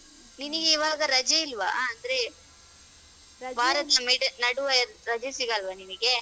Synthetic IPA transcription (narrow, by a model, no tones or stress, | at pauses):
ninɐɡeiʋaːɡɐɾɐd͡ʒɐilʋɐ̰ɐnd̪ɐɾe | baːɾɐt̪ɐmiɖnɐɽuʋɐɾɐd͡ʒɐsiɡɐlʋɐniniɡe